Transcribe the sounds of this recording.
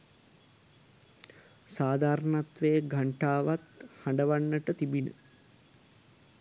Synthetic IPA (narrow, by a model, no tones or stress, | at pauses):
saːd̪aːɾənat̪ʋejəɡʱaɳʈaːʋat̪haɳɖəʋanːəʈət̪ibinə̰